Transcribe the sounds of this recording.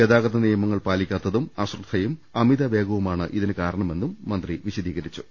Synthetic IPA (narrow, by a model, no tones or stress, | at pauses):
jɐd̪aːɡɐðɐnijɐmɐŋːɐɭpaːlikʲːaːt̪ːɐðumɐɕrɨt̪ʰːɐjumɐmiðɐʋe̞ːɡɐʋumaːɳɨʔiðinɨkaːɾɐɳɐme̞nːumːɐnd̪riʋiɕɐd̪iːɣɐɾit͡ɕːu̥